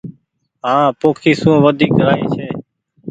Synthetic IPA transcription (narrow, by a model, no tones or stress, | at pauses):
ɦãːpoːkʰiːsũːʋəd̪ʱiːkɾaːiːt͡ʃʰeː